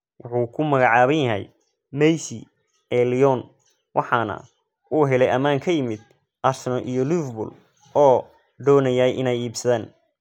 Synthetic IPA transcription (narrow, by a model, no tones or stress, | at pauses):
wʔʊħuːkʰʊmɐɣɑʕɑːβɐnjɐɦɛ̰j | mɛjsi | ɛlijɔn | wʔɑħɑːnɐ̰ | uːɦɛlɛjɐmaːŋkʰɐjɪmɪd̪ | ʔarsɛnɔlʔijɔlufbʊ̰l | ɔː | ɖɔːnɐjajʔɪnɛjiːbsɐðaːn